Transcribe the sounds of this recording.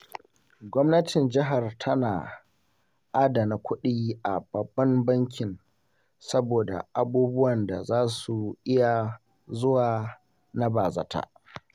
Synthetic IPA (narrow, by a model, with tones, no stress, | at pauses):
ɡʷɔ˦mnɐ˦tʰɪ˨nd͡ʒɪ˦ɦa˨rtʰɐ˦naː˨ | ʔa˦da˨na˨kʷʊ˦ɗiː˦ʔa˨b̥ɐ˨bːɐ˦mbɐ˦ŋkʲɪ˨n | sɐ˦boː˨da̰˨ʔa˨buː˦bʊ˦wɐ˨nda̰˨zaː˦su˨ʔɪ˦ja˨ | zʊ˦waː˨ | na˦baː˨zɐ̰˨tʰa̰ː˦